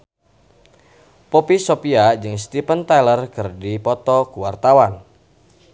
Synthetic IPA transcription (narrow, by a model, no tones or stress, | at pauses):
popisopiad͡ʒɨŋst̪ipənt̪ajlərkərdipɔt̪ɔkuwart̪awan